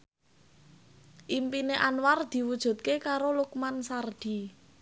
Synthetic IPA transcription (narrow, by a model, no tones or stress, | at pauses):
ʔimpineʔanward̪̥i̤wud̥ʒ̥ṳt̪̚kekaɾolukmansard̪̥i̤